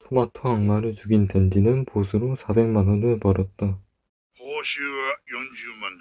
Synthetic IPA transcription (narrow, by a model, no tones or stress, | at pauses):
tʰomatʰoaŋmaɾɯɭt͡ɕuɡinte̞nd͡ʑinɯnposʰɯɾosʰabe̞ŋmanʌnɯɭpʌɾʌt̚t͈a | poɕiɡajond͡ʑuman